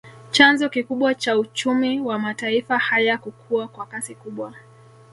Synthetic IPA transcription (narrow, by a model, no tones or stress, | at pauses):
t͡ʃanzɔkikuɓwat͡ʃaut͡ʃumiwamataifahajakukʰuakwakasikuɓwa